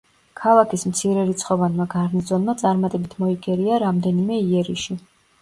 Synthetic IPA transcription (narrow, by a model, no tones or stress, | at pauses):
kʰalˠakʰismt̪sʰiɾɛɾit̪sʰχɔvanmaɡaɾnizɔnmat̪sʼaɾmat̪ʼɛbit̪ʰmɔiɡʼɛɾiaɾamd̪ɛnimɛiɛɾiʃi